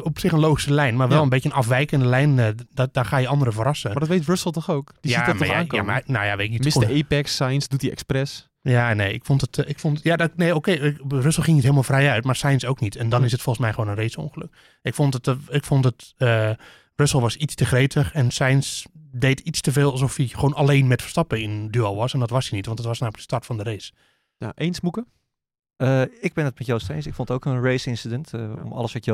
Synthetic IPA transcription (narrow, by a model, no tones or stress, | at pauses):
ɔpsɪxənloːxisəlɛjnmarʋɛlˠənbetjənɑfʋɛjkəndəlɛjnddaxaːjəɑndəɾəvərɑsədɔtʋejtrøsəlˠtɔxoːkdijaimjaa̰ma̰nojaʋetɪk̚niɪsəepɛksajnsdutiɛ̰ksprɛs | janeːɪ̰kfɔntətɪkfontjadnejokeːrøsəl̩ˠχɪŋitɦeːlˠmalˠfrɛjœɥtmarsɛjnsowknitʰɛndɔnɪsətfɔlˠxənsmɛjχʋoːnənrejtso̰nxəløk̚ | ɪkfontətɪkfɔntətə | røsəl̩ˠʋɔsit͡stəχreːtʰəxɛnsɛjnsdeːtʰit͡stəveːlˠalˠs̬ɔfixʋoːnaleːnmɛtfə̥rstɑpəɪndyɔlˠʋɔsɛndɔtʋɔsinitʋɑntdətʋɔsnawmlək̚dəstaɹtfɔndəɾeːs | ja̰ʔensmukə | əɪk̚bɪnət̚mɛtjowstejnsɪkfɔnətowkənreːsɪnsidənto̰mɔ̰lˠəsʋɔtjə